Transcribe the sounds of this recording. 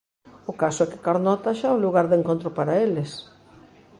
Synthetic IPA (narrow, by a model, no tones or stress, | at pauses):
ʊkasʊɛkɪ̥kaɾnɔt̪aʃaũluɣaɾðeŋkõnt̪ɾʊpaɾaelɪs